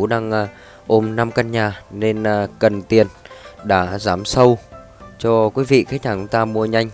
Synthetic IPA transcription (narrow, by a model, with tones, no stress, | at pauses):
ɗaː˧ŋː˧ | ʔo˧mna˧mka˧nɲaː˨˩ne˧nː˩kə˨˩nt̪i˨˩ənɗa̰ː˧˥zaː˨˦msə˧w | t͡ɕɔ˧kwi˨˦vḭ˧˨kaː˨˦˥ɲaː˨˩ʊ˨˧˦t̪aː˧mu˧əɲa˧jŋ̟